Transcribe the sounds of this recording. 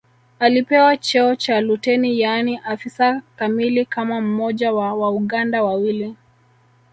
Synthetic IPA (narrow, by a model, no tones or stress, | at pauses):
alipɛwat͡ʃɛɔt͡ʃalutɛnijaniʔafisakamilikamam̩mɔʄawawauɠandawawili